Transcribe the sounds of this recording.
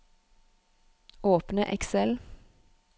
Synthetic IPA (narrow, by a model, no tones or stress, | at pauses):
oːpnəʔɛksɛl